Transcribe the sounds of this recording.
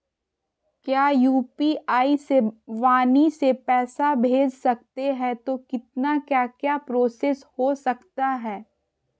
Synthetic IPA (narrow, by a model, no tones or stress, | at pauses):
kjaːjuːpiaːiseʋaːnisepɛːsabʱeːd͡ʒsɐk̚t̪eɦɛ̃t̪okɪt̪̚nakjaːkjaːpɾoːseshosɐkt̪aɦɛː